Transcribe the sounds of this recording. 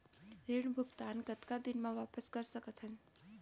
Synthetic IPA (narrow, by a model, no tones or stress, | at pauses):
ɾiɳbʱuɡt̪ankət̪kad̪inmãʋapəskəɾʃəkət̪ʰɦən